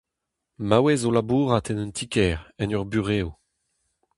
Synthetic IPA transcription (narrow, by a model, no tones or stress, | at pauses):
mawɛzolabuːʁat̪ɛnɛntʰikɛːʁɛnœʁbyʁeːo